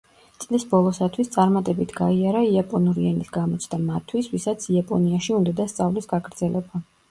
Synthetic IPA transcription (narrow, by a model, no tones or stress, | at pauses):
t̪sʼlisbɔlˠɔsat̪ʰwist̪sʼaɾmat̪ʼɛbit̪ʰɡaiaɾaiapʼɔnuɾianisɡamɔt̪sʰd̪̥amat̪ʰːwisvisat̪sʰiapʼɔ̰niaʃiund̪ad̪ast̪sʼavlisɡaɡɾd̪z̥ɛlɛba